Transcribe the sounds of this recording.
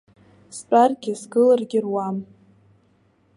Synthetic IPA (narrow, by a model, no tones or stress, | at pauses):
spʼarɡʲɪzɡɨlarɡʲɪrwam